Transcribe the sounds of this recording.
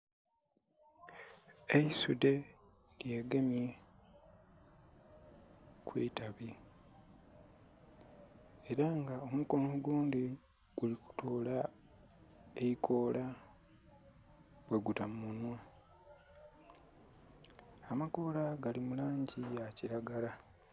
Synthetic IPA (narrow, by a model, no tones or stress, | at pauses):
eisude̞ | lje̞ːɡemje | kweːtaβi | eɾaŋɡao̞muko̞muɡuːndi | ɡ̥uliku̥tʰo̞ːla | e̞ikʰo̞ːla | bwe̞ɡutamunwa | amako̞ːlaɡalimulaːɲɟijaciɾaɡala